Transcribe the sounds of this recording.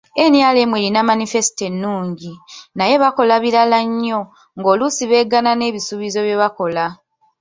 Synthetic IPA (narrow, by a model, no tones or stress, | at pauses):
e̞njaːle̞mwe̞ːlinamanife̞si̥te̞nːuːɲɟinaje̞βako̞laβiɾalaɲːo̞ | ŋɡo̞ːlusiβe̞ːɡanane̞ːβisuːβizo̞βjeβako̞la